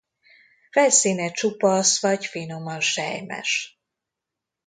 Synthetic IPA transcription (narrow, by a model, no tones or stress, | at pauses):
fɛlsiːnɛt͡ʃupɒsʋɒɟfinomɒnʃɛ̰jmɛ̰ʃ